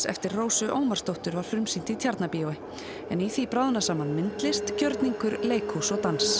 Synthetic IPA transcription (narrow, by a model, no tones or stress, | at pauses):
sɛ̰ft̪ɪrroːwsʏʔoːwmaɾ̥st̪owht̪ʏɾvaɾ̥fɾʏmsin̥t̪ɪit̪ʰjaɾt̪napiowɪ | ɛniθipɾawðnasaːmanmɪnt̪lɪst̪cœɾt̪niŋkʏɾleːjkʰhusɔɣt̪ans